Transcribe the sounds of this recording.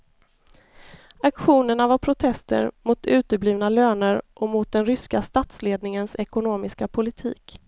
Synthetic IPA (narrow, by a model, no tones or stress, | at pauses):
akɧuːnəɳavaɾpʰɾʊt̪ʰɛst̪ə̰ɾmʊt̪ʉ̟ːt̪əbliːvnaløːnəɾʔɔmʊt̪̚d̪ɛnɾʏskast̪at̪sleːd̪nɪŋənsɛkʊnoːmɪskapʰʊlɪt̪ʰḭːk